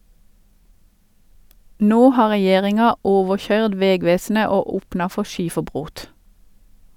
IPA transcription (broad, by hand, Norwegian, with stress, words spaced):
ˈnoː ˈhɑː ʁɛˈjeːʁɪŋɑ ˈoːʋəˌçœʏd ˈʋɛˌɡʋeːsnə ˈoː ˈuːpnɑ ˈfɔ ˈʃiːfəˌbʁoːt